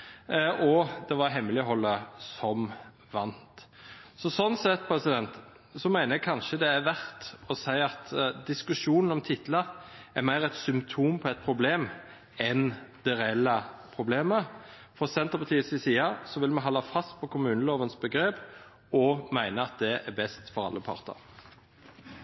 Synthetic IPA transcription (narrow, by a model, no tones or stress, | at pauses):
ɔd̪ɛʋɑɾɦɛmːəlɪɦɔlːəsɔm | ʋɑnt̪ | sɔsɔnːsɛt̪ːpʰɾɛsɪd̪ɛnt̪ | sɔmæɪnəɛɡ̚kʰɑnʃəd̪ɛæʋæɾt̪ɔsæɪɑt̪d̪ɪskʉʂuːnən̩ɔmt̪ʰɪt̪ləɾæmæɪɾɛt̪sʏmpt̪ʰuːmpʰɔɛt̪̚pʰɾʊbleːm | ɛnd̪̥ɛɾɛɛlːəpʰʁʊbleːmə | fɔsɛnt̪əpʰɑt̪ʰiːəsɪsiːɑsɔʋɪlmɛɦɔlːɑfɑst̪̚pʰɔkʰʊmʉːnəloːʋənsbəɡɾeːp | ɔmæɪnəɑt̪̚d̪ɛæbɛst̪fɔɾɑ̰lːəpʰɑ̰ʁt̪ə̰ɾ